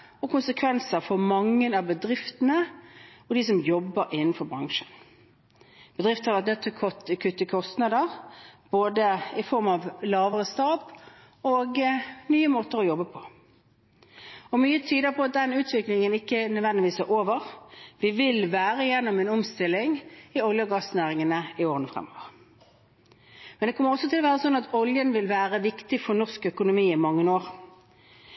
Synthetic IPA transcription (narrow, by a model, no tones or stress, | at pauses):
ɔkʊnsəkʰʋɛnsəɾfɔɾmɑŋːənɑʋbəd̪ɾɪft̪ənəɔd̪ɪs̬ɔmjɔbːəɾɪnːən̩fɔɾbʁɑŋʂən | b̥əd̪ɾʁɪft̪hɑɾʋæʁt̪nʉt̪ːʰɛlkʰɔt̪ːɪkʰʉt̪ːəkʰɔst̪nɑd̪əʁb̥oːd̪əɪfɔɾmɑʋlɑːʋəʁəst̪ɑːp | ɔɡnyːəmoːt̪əɾɔjɔbːəpʰɔ̥ | ɔmyːət̪ʰyːd̪əpʰɔɑt̪̚d̪ɛnʉːt̪ʰʋɪklɪŋənɪkːənœd̪ʋɛnd̪ɪʋiːsæɾʔoːʋəʁʋɪʋɪlʋæːʁəjɛnːɔmɛnɔmst̪ɪlːɪŋɪɔljəɡɑsnæːʁɪŋənəɪoːʁənəfʁɛ̰mo̰ːʋəʁ | mɛnd̪ɛkʰɔmːəɾʁɔsːɔt̪ʰɪlɔʋæːʁəsɔnːɑt̪ɔljənʋɪlʋæːʁəʋɪkt̪ɪfɔʁnɔʁskœkʊnʊmiːɪmɑŋːənoːʁ